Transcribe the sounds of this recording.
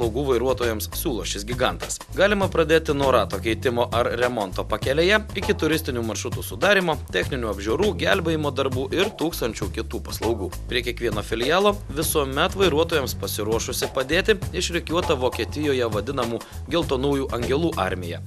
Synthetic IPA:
lˠɐʊɡuːʋɐɪɾuɔt̪oːjɛmssʲuːlˠoːʃʲɪsɡʲɪɡɑˑnt̪ɐs | ɡɑːlʲɪmɐpɾɐd̪ʲeːt̪ʲɪnuɔɾɑːt̪oːkʲɛɪt̪ʲɪmoːʔɐɾɾʲɛmɔnt̪oːpɐkʲɛlʲeːjɛɪkʲɪt̪ʊɾʲɪst̪ʲɪnʲuːmɐɾʃʊt̪uːsʊd̪ɑːɾʲimoːt̪ʲɛxʲnʲɪnʲuːɐbʲʒʲoːɾuːɡʲælʲbʲɛɪmoːd̪ɐɾbuːʔɪɾt̪uːkst̪ɐnʲt͡ʃʲukʲɪt̪uːpɐslˠɒʊɡuːpʲɾʲiɛkʲiɛkʋʲiɛnoːfʲɪlʲɪjɑːlˠoːʋʲɪsuɔmʲɛt̪ʋɐɪɾuɔt̪oːjɛmspɐsʲɪɾuɔʃʊsʲɪpɐd̪ʲeːt̪ʲɪɪʃɾʲɛkʲuɔt̪ɐʋoːkʲiɛt̪ʲɪjoːjɛʋɐd̪ʲɪnɐmuː | ɡʲɛlˠt̪oːnɐʊjuːʔɐŋʲɡʲɛlˠuːʔɑɾʲmʲɪjɛ̰

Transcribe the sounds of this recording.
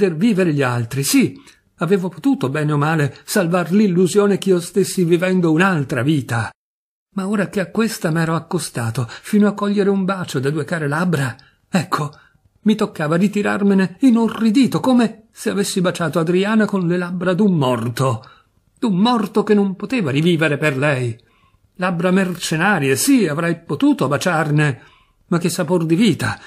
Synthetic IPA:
pd̪erviːveɾeʎialt̪ɾisi | aveːvopot̪uːt̪obɛːneomaːlesalvarlilːuzjoːnek̟iːost̪esːivivɛnd̪ounalt̪ɾaviːt̪a | maoːɾakeakːwest̪amɛːɾoakːost̪aːt̪ofiːnoakːɔʎːeɾeumbaːt͡ʃod̪ad̪uekaːɾelabɾa | ɛkʰːo | mit̪okːaːvaɾit̪iɾa̰rmeneinorːid̪iːt̪okoːme | seavesːibat͡ʃaːt̪oad̪ɾiaːnakonlelabɾad̪umːɔrt̪o | d̪umːɔrt̪okenːompot̪eːvaɾiviːveɾeperlɛj | labɾamert͡ʃenaːɾjesiavɾɛjpot̪uːt̪oabat͡ʃarne | mak̟ːesːapord̪iviːt̪a

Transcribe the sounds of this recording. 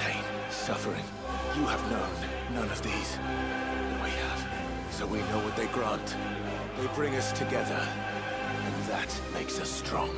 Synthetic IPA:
eɪ | sʌfə˞ɪ̰̃ŋ | jɨəvnõʊ̃nː | ʌ̃nʌvðiz̥ | wʌt̚wiɨv̥ | soʊwinoʊwʌt̪̚ðeɪɡɹæ̃nt | ðeɪbɹɪ̃ŋʌstʰɨɡɛðə˞ | ɨ̃nðɨt̚meɪksʌstɹ̥ɔ̰̃ŋ

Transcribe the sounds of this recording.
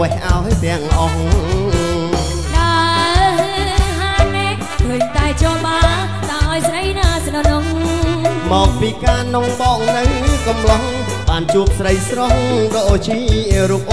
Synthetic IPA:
ɛhʔaɔt̪ɛ̆əŋʔɑh | ɗa | ɦaːnɛʔ | kʰəːɲt̪aɛt͡ɕɔɓaː | t̪aʔajsrəjnaːsɗɔnoŋ | mɔːk̚piːkaːnoŋɓɔːʔ̚nɨwkɑmlɔhŋ | ɓaːnt͡ɕuək̚srəjsrohɗɔʔoːt͡ɕʰiːɾuək̚ʔ

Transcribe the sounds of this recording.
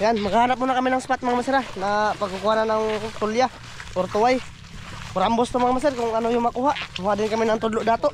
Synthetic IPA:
janmaɡaɦanap̚munakamɪnaŋspat̪̚maŋamasɪɾanapaɡukuananaŋt̪ulja | ɔrt̪uaj | pʊɾambʊst̪umaŋamas̬ɪrkʊŋanʊjʊmakuɦaʔmuɦaʔdɪnkamɪnaŋt̪ʊdlʊʔdat̪oʔ

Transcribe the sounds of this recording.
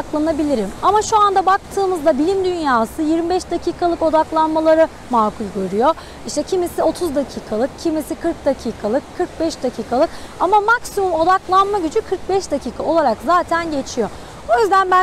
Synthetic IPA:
klˠanabilʲiɾimamaʃuand̪abak̚t̪ʰɯːmɯzd̪abilʲimd̪ynjaːsɯjiɾmibɛʃd̪acʰiːkʰalˠɯko̞d̪aklˠanmalˠaɾɯ | maːkulʲɟøɾyjo̞ | iʃt̪ʰɛcʰimisio̞t̪ʰuzd̪acʰiːkʰalˠɯk̚cʰimisikʰɯɾk̚d̪acʰiːkʰalˠɯkʰːɯɾk̚bɛʃd̪acʰiːkʰalˠɯkamamaksimumo̞d̪aklˠanmaɟyd͡ʒykʰɯɾk̚bɛʃd̪acʰiːkʰaolˠaɾakzaːt̪ʰænɟe̞t͡ʃʰijo̞ | ojyzd̪ænbæ

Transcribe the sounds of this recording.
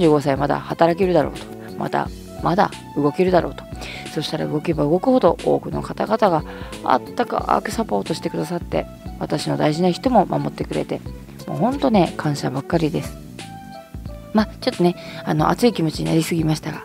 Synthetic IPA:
d͡ʑɨːɡo̞saimad̪a̰hat̪aɾake̞ɾɯ̟d̪aɾo̞̰ːt̪o̥ | mʔa̰t̪a̰ | mad̪a̰ | ɯ̟ɡo̞ke̞ɾɯ̟d̪aɾo̞̰ːt̪o̥ | so̞ɕi̥t̪aɾa̰ɯ̟ɡo̞ke̞baɯ̟ɡo̞kɯ̟ho̞d̪o̞̰ʔo̞ːkɯ̟no̞̰kat̪aɡat̪aɡaa̰t̪ːaka̰ʔa̰kɯ̟̥sapo̞ːt̪o̞ɕi̥t̪e̞kɯ̟d̪asat̪ːe̞̰ | βat̪aɕino̞d̪aiʑinaçi̥t̪o̞mo̞mʔa̰mo̞t̪ːe̞kɯ̟ɾe̞̰t̪e̞ | mo̰ːhõ̞nt̪o̞ne̞kʰãɰ̃ɕa̰bakːaɾʲid̪e̞sɨ̥ | mat͡ɕo̞t̪ːo̞neano̞̰ʔa̰t͡sɨikʲimo̞t͡ɕiɲ̟ina̰ɾʲisɨɡʲimaɕi̥t̪aɡa

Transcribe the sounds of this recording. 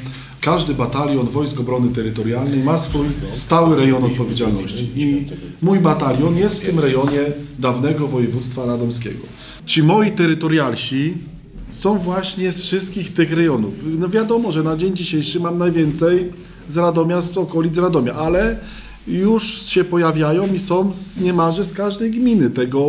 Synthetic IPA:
kaʐd̪ɘbat̪alʲjɔnvɔjskɔbɾɔnɘt̪ɛɾɘt̪ɔɾjalnɛjmasfujst̪awɘɾɛjɔnɔt̪̚pɔvʲjed͡ʑalnɔɕt͡ɕiimujbat̪alʲjɔnjɛst̪ft̪ɘmɾɛjɔɲɛd̪avnɛɡɔvɔjɛvut̪st̪faɾad̪ɔmskʲɛ̰ɡɔ | t͡ɕimɔjit̪ɛɾɘt̪ɔɾjalɕi | sɔ̃w̃vwaɕɲɛsfʂɘst̪̚kʲixt̪ɘxɾɛjɔnufnɔvʲjad̪ɔmɔʐɛnad͡ʑeɲd͡ʑiɕejʂɘmamnajvʲjɛnt̪sɛj | zɾad̪ɔmʲjazɔkɔlʲidt̪zɾad̪ɔmʲjaʔalɛ | juʂɕɛpɔjavʲjajɔ̃w̃isɔ̃w̃zɲɛmaʐɛskaʐd̪ɛjɡmʲinɘt̪ɛɡɔ

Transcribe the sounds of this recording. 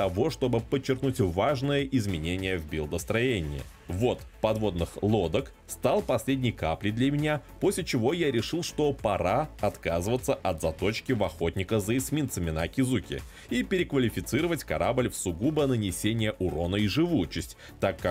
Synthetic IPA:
t̪ɐvo̞ʂt̪o̞bɨpət͡ɕːɪrknutʲvaʐnəjəʔɪzmʲɪnʲenʲɪjəvbʲɪlˠd̪əst̪ɾɐjenʲɪ̰ɪ̰ | vo̞t̪pɐd̪vo̞d̪nɨxlˠo̞d̪ək | st̪alˠpɐsʲlʲedʲnʲɪjkaplʲɪd̪lʲɐmʲɪnʲapo̞sʲlʲɪt͡ɕɪvo̞jaɾʲɪʂɨlˠʂt̪o̞pɐɾaɐt̪kazɨvət̪səʔɐt̪zɐt̪o̞t͡ɕkʲɪvɐxo̞t̪̚ʲnʲɪkəzəɪsmʲint̪səmʲɪnakʲɪzukʲɪ̰ | ipʲɪɾʲɪkvəlʲɪfʲɪt̪sɨɾəvətʲkɐɾablʲfsʊɡubənənʲɪsʲenʲɪjəʔʊɾo̞nəiʐɨvujʊt͡ɕɪsʲtʲ | t̪akːa

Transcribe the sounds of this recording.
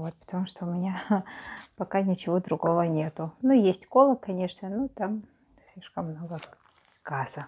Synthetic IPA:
vo̞t̪̚pə̥t̪ɐmuʂt̪oʊmʲɪnʲa | pɐkanʲɪt͡ɕɪvo̞d̪ɾʊɡo̞vənʲe̞t̪ʊnujesʲtʲko̞lˠəkkɐnʲe̞ʂnənot̪am | sʲlʲiʂkəmːno̞ɡə | ɡazə

